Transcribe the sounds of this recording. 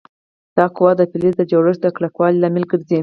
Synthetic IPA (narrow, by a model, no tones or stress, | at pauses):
d̪̥ɑkʊwɑd̪əpilizd̪əd͡ʒaɽəʃd̪əklakwɑlilamɪlɡəɾzi